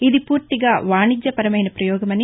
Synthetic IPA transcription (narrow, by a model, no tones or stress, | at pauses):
id̪ipuːɾt̪iɡaːʋaːɳid͡ʒjɐpɐɾɐmɐjnɐpɾɐjɔːɡɐmɐni